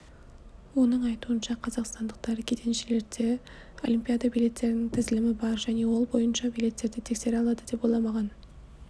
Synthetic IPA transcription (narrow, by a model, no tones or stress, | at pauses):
wo̞nəɴɑjt̪uənʃɑqʰɑzɑqst̪ɑnd̪əq̚t̪ɑɾəkʲʰet̪ʰe̞nʃele̞ɾd̪e | olʲˠimpʲijad̪ɑbijle̞t̪ːe̞ɾɪnɪŋt̪ʰɪzɪlɪmɪbɑɾʒæne̞wo̞lˠbo̞jənʃɑbijle̞t̪ːe̞ɾd̪ɪt̪ʰe̞kse̞ɾɑlˠɑd̪əd̪e̞polˠɑmɑʁɑn